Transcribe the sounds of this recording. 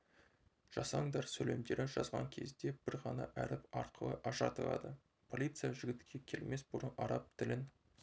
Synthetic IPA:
ʒ̥ɑsɑɴd̪ɑɾsɵle̞md̪e̞ɾɪʒɑzʁɑ̰ŋkʲʰe̞̰zd̪e̞b̥ɪɾʁɑnɑʔæɾɪpɑɾqʰəlˠə̰ʔɑʃɑ̰t̪əlˠɑ̰d̪ə | pʰo̞lʲˠijt̪sɨjaʒɪɡʲɪt̪kʲʰe̞kʲʰe̞lme̞sbʊɾənɑɾɑp̚t̪ʰɪlɪn

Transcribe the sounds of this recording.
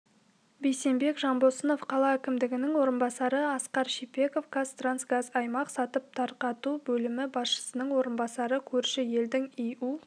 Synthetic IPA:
bejse̞mbe̞kʒɑmbosəno̞fqʰɑlˠɑækʲɪmd̪ɪɡʲɪnɪŋwo̞ɾənbɑsɑɾəɑsqɑɾʃipe̞ko̞fɡast̪ransɡazɑjmɑqsɑt̪əp̚t̪ʰɑɾqɑt̪ubɵlɪmɪbɑsʃə̥sənəɴwo̞ɾənbɑsɑɾəkʲʰɵɾʃɪje̞ld̪ɪŋeju

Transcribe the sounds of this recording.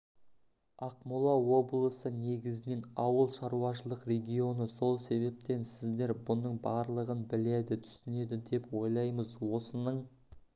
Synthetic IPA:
ɑqmulˠɑwo̞blˠəsəne̞ɡʲɪzɪne̞nɑwəlˠʃɑɾuɑʃəlˠəqre̞ɡʲɪo̞nəso̞lˠse̞βe̞p̚t̪e̞nsɪzd̪e̞ɾbʊnəɴbɑɾlˠəʁənbɪled̪ɪt̪ʰʏ̥sɪne̞d̪ɪd̪e̞pwo̞jlˠɑjməzwo̞sənəɴ

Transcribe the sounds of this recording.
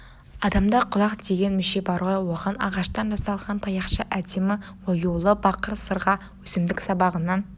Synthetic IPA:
ɑd̪ɑmd̪ɑqʰʊlˠɑqd̪e̞ɡʲe̞nmʏʃe̞bɑɾʁɑwoʁɑnɑ̰ʁɑʃt̪ɑnʒɑsɑlˠʁɑnt̪ʰɑjɑqʃəʔæd̪e̞mɪ | wojulˠəbɑqəɾsəɾʁɑ | wɵsɪmd̪ɪksɑbɑʁənɑn

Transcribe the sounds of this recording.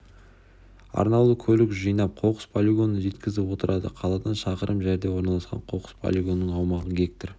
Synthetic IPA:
ɑ̰ɾnɑlˠəkʲʰɵlɪkʒəjnɑp̚qʰo̞qə̥spʰolʲiɡo̞nːəʒe̞t̪kʲɪzɪpwo̞t̪əɾʔɑd̪ə̰qʰɑlˠɑd̪ɑnʃɑqəɾʔəmʒæɾd̪e̞wo̞ɾnɑlˠɑsqɑ̰ɴqʰoqə̥spʰo̰lʲiɡo̞nːəɴɑwmɑʁəɡʲe̞k̚t̪or

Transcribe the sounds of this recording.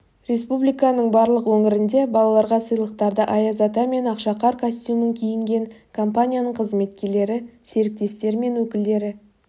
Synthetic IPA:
ɾʲe̞spublijkɑnəɴbɑɾlˠəqwɵŋɪɾɪnd̪e̞bɑlˠɑlˠɑɾʁɑsəjlˠəqt̪ɑɾd̪əʔɑjɑzɑt̪ɑme̞nɑqʃɑqɑɾkʰast̪ʲjuməŋkʲʰejɪŋɡʲe̞ŋkʰo̞mpanʲijanəɴqʰəzme̞t̪kʲe̞ɾle̞ɾɪse̞ɾɪk̚t̪e̞st̪e̞ɾɪme̞nwɵkʲɪld̪e̞ɾɪ

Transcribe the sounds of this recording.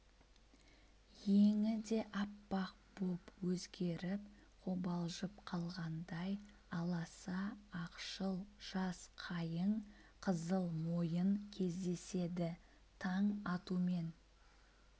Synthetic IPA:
je̞ŋɪd̪e̞ʔɑpːɑq̚b̥opwɵzɡʲe̞ɾɪp | qʰobɑlˠʒəpqʰɑlˠʁɑnd̪ɑj | ɑlˠɑsɑːqʃəlˠʒ̥ɑsqʰɑjəɴ | qʰəzəlˠmo̞jəŋkʲʰe̞zd̪e̞se̞d̪ɪ | t̪ʰɑɴɑt̪ume̞n

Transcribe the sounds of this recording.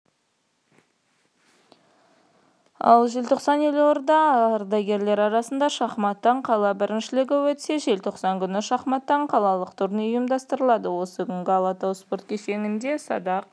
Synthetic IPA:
ɑ̰lˠʒelt̪ʰo̞qsɑnjeloɾd̪ɑɾd̪ɑɡʲe̞ɾle̞ɾɑɾɑsənd̪ɑʃɑχmɑt̪ːɑɴqʰɑlˠɑbɪɾʔɪnʃɪlɪɡʲɪwɵt̪se̞ʒe̞lt̪ʰo̞qsɑŋkʲʰʏnɪʃɑχmɑt̪ːɑɴqʰɑlˠɑlˠəqt̪ʰʊɾneʊjəmd̪ɑst̪əɾəlˠɑd̪əwo̞səkʲʏŋɡʲɪɑlˠɑt̪owspo̞ɾt̪̚kʲʰese̞ŋʲɪnd̪e̞sɑ̰d̪ɑq̚

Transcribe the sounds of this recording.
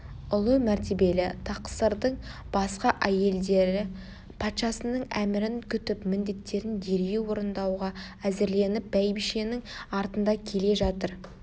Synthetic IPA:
ʊlˠəmæɾt̪e̞be̞lɪt̪ʰɑqsəɾd̪əɴ | b̥ɑsqɑʔæje̞ld̪e̞ɾɪ | pʰɑt̪ʃɑsənəɴæmɪɾɪŋkʲʰʏt̪ɪpmɪnd̪e̞t̪ːe̞ɾɪnd̪e̞ɾe̞wo̞ɾənd̪ɑwʁɑæzɪɾle̞nɪp̚bæjbiʃe̞nɪŋɑɾt̪ənd̪ɑkʲʰe̞le̞ʒɑt̪əɾ

